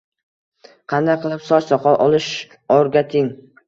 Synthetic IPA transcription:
qʰɑnd̪aqʰɨlˠɪpsɒt͡ʃsɒqʰɒlˠʔɒlˠɪʃ | oɾɡʲat̪ʰɪŋ

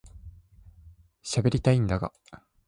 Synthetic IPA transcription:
ɕabe̞ɾʲit̪aĩnd̪aɡa̰

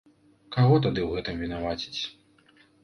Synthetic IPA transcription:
kaɣɔt̪ad̪ɨwɣɛt̪ɨmvʲin̪avat͡sʲi̥t͡sʲ

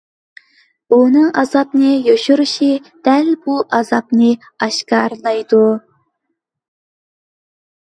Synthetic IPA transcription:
unɨŋɑzɑpnɨjoʃuɾɨʃid̪̥ɛlbuʔɑzɑp̚nɨ | ɑʃkɑɾlˠɑjd̪u

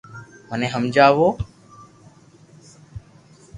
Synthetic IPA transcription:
mənẽːɦəmd͡ʒaːʋoː

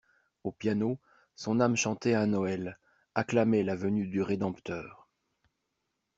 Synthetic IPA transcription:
opjano | sɔ̃namʃɑ̃t̪eɛ̃nɔɛl | aklamɛlavənyd̪yʁed̪ɑ̃pt̪œːʁ

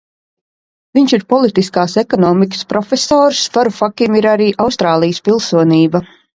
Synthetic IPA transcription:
viɲʃiɾpɔlˠit̪iskaːsɛkɔnɔːmikə̥spɾɔfesɔːɾsfaɾufakimiɾaɾiːʔawst̪ɾaːlˠijəspilˠsuɔniːba

